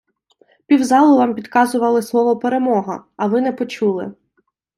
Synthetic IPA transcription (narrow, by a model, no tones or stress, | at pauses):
pʲiwzɑlˠʊʋɑmpʲid̪kɑzʊʋɐlˠɪslˠɔʋɔpeɾemɔɦɐ̰ɐʋɪnɛpɔt͡ʃulˠɪ̰